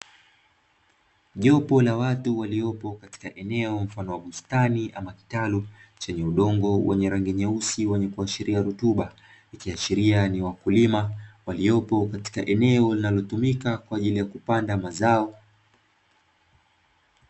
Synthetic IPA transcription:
ʄɔpɔlawatuwaliɔpɔkati̥kaʔɛnɛɔm̩fanɔwaɠustaniʔamaki̥talut͡ʃɛɲɛuɗɔŋɡɔwɛɲɛɾaŋɡiɲausiwɛɲɛkuaʃiɾʔiaɾutuɓa | ikiaʃiɾianiwakulimawalijɔpɔkati̥kaʔɛnɛɔlinalɔtumikakwaːʄilijakupandamazaɔ

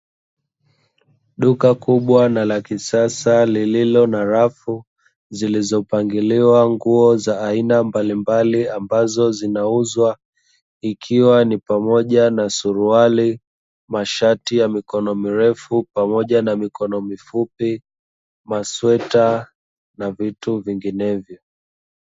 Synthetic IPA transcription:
ɗukakuɓwanalakisasalililɔnaɾafu | zilizɔpaŋɡiliwaŋɡuɔzaːinambalimbaliambazɔzinauzwa | ikʰiwanipamɔʄanasuɾuali | maʃatijamikɔnɔmiɾɛfupamɔʄanamikɔnɔmifupi | maswɛta | navituviŋɡinɛvjɔ

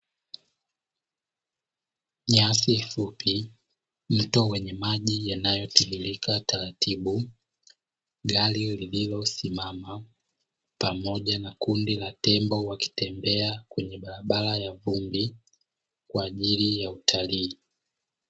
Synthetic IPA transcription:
ɲasifupi | m̩tɔwɛɲɛmaʄijanajɔtihilikʰataɾatʰiɓu | ɡalilililɔsimama | pamɔʄanakundilatɛmbɔwaki̥tɛmbɛakwɛɲɛɓaɾaɓalajavumbi | kwaːʄilijautʰaliː

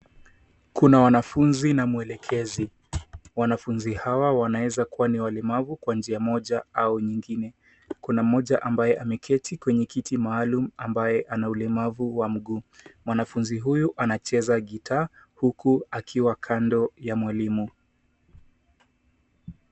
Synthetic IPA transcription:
kunawanafunzinamuɛlɛkʰɛzi | wanafunzihawawanawɛzakuwaniwalɛmavukwand͡ʒiamɔʄaauɲiŋɡinɛ | kunam̩mɔʄaʔambajɛʔamɛkʰɛtʰikwɛɲɛkitʰimaːlum̩ambajɛʔanaulɛmavuwam̩ɠuːmwanafunziɦujuʔanat͡ʃɛzaɠitʰaːhukuakʰiwakʰandɔjamwalimu

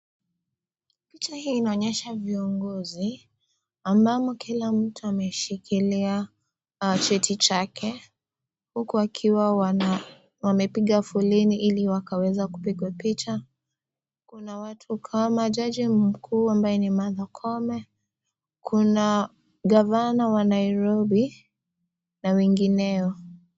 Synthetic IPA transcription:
pit͡ʃahiːnaɔɲɛʃaviɔŋɡɔzi | ambamɔkʰilam̩tuamɛʃikʰilia | t͡ʃɛtʰit͡ʃakʰɛ | hukuakʰiwa | wamɛpiɠafulɛniʔiliwakawɛzaku̥piɡwapit͡ʃa | kunawatʰukʰamaʄad͡ʒim̩kʰuːambajɛnimaðakʰɔmɛ | kʰuna | ɡavanawanaiɾɔbi | nawɛŋɡinɛɔ

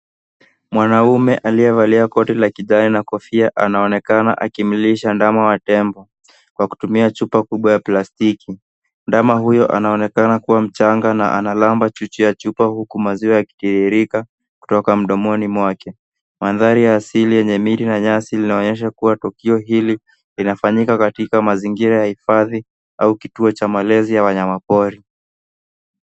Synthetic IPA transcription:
mwanaumɛʔaliɛvaliakɔtɛlakiʄaɾinakɔfiaʔanaɔnɛkana̰ʔa̰kimiliʃandamawatɛmbɔ | kwaku̥tumiat͡ʃupakuɓwajaplastiki | ndamaɦujɔʔa̰naɔnɛkanakuwam̩t͡ʃaŋɡana̰ʔa̰nalambat͡ʃut͡ʃujat͡ʃupahukumaziwajaki̥tiɾiɾika | ku̥tɔkam̩ɗɔmɔnimwakɛ | manðaɾijaːsilijɛɲɛmiɾinaɲasilinaɔɲɛʃ̬akuwatukiɔɦili | linafaɲikakatikamaziŋɡiɾajahifaði | aukituɔt͡ʃamalɛzijawaɲamapɔɾi

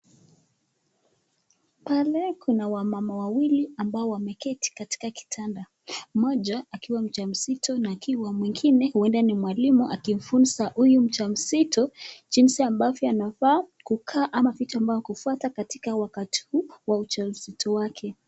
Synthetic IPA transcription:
palɛkʰunawamamawawiliambaɔwamɛkɛti̥kati̥kaki̥tʰanda | mɔd͡ʒaːkiwam̩t͡ʃam̩sitɔnaːkiwamwiŋɡinɛhuɛndanimwalimuʔakim̩funsaʔujum̩t͡ʃam̩sitɔd͡ʒinsiambavɔanafaː | kukʰaːʔamavitaambavɔkufuatakatikawakati̥huwaut͡ʃam̩sitʰɔwakʰɛ

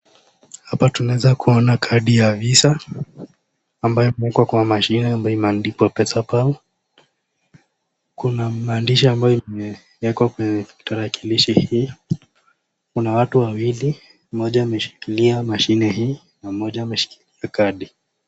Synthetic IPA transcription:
hapatunaɛzakuɔnakʰaɗijavisa | mbajɔimɛikwakwamaʃinɛambajɔimandipwapɛsapau | kunamaːndiʃiambajɔimɛ | wɛkwakwɛɲɛmitaɾakiliʃihiː | kunawatuwawili | m̩mɔʄaːmɛʃi̥kiliamaʃinɛɦiː | namɔʄaːmɛʃi̥kiliakaɗi

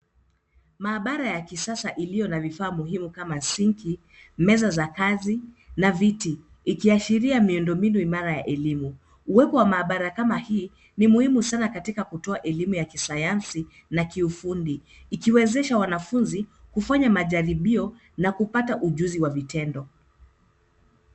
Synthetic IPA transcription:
maːɓaɾajakisasaʔilijɔnavifaːmuhimukamasiŋkʰi | mɛzazakazi | navitiː | kiaʃiɾiamiundɔmbinuimaɾajaʔɛlimu | uwɛpɔwamaːɓaɾakamahiː | nimuhimusanakatikakutɔaʔɛlimujakisajansi | nakiufundiː | kiwɛzɛʃawanafunzikufaɲamaʄaɾiɓiɔ | nakupataʔuʄuziwavitɛndɔ

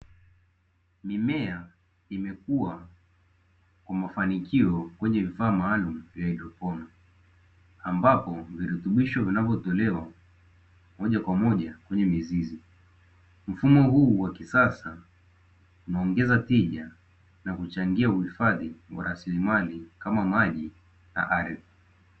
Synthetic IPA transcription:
mimɛa | imɛkua | kwamafanikiɔkwɛɲɛvifaːmaːlum̩vjailɔpɔna | ambapɔviɾutuɓiʃɔvinavjɔtɔlɛwa | mɔʄakwamɔʄakwɛɲɛmizizi | m̩fumɔɦuːwakisasa | unaɔŋɡɛzatiʄa | nakut͡ʃaŋɡiauhifaðiwa̰ɾasilimalikamamaʄi | na̰ʔaɾði

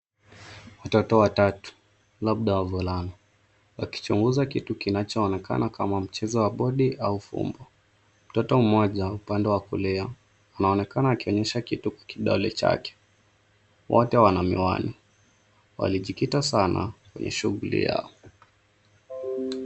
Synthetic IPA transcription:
watɔtɔwatatu̥ | laɓ̚ɗawavulana | waki̥t͡ʃuŋɡuzakitukinat͡ʃɔːnɛkʰa̰nakamam̩t͡ʃɛzɔwaɓɔɗiʔaufṵmbɔ | m̩tɔtɔm̩mɔʄaupandɛwakulɛaː | naɔnɛkanaːkiɔɲɛʃakitukwḁkiɗɔ̰lɛ̰t͡ʃa̰kɛ̥ | wʔɔtɛwanamḭwa̰ni | wa̰liʄikitasana̰kwɛ̰ɲʔɛ̰ʃuɣulḭja̰ɔ

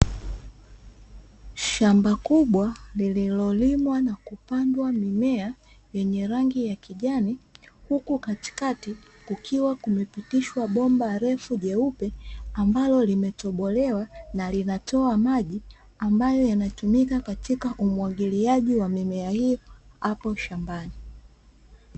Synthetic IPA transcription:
ʃambakuɓwalililɔlimwanakupandwamimɛa | jɛɲɛɾaŋɡijakiʄanihukukati̥kati | kukʰiwakumɛpitiʃwaɓɔmbaɾɛfuʄɛupɛambalɔlimɛtɔɓɔlɛwanalinatɔamaʄi | ambajɔjanatumikakatikaʔumwaɠiliaʄiwamimɛahijɔhapɔʃambani

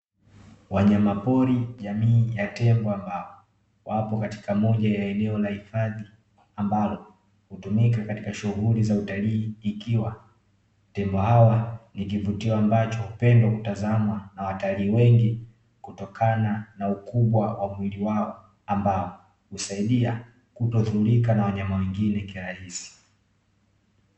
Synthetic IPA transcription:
wʔaɲamapɔɾiʄamiːjatɛmbɔambaɔ | wapɔkati̥kamɔʄajaɛnɛɔlahifaði | ambalɔ | hutumikakati̥kaʃuhulizautaliːkiwa | tɛmbɔhawanik̬ivutiɔambat͡ʃɔhupɛndwakutazamwanawataliːwɛŋɡi | kutɔkʰananaukuɓwawamwiliwaɔ | ambaɔ | husaiɗia | kutɔðuɾikanawaɲamawɛŋɡinɛkiɾahisi̥

